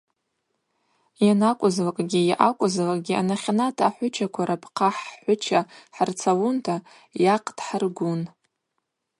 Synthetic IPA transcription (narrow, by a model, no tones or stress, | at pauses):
janakʷʼʊzlakʼɡʲijaʔakʷʼʊzlakʼɡʲia̰naχʲanatʰaħʷʊt͡ʃʰakʷʰaɾapʰqʰaħħʷʊt͡ʃʰaħart͡sʰaluntʰa | jaqʰʼtʰʼħarɡʷʊn